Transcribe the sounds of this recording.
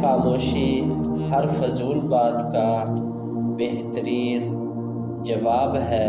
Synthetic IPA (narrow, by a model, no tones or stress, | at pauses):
xaːmoːʃiɦəɾfʊzuːlbaːd̪ka | beɦt̪əɾiːn | d͡ʒɐʋaːbɦɛː